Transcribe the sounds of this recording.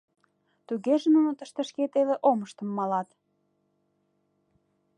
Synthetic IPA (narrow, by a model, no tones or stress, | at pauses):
t̪uɣeʒĕnunot̪əʃt̪ə̆ʃket̪eleʔoməʃt̪ə̆mːɑlɑt̪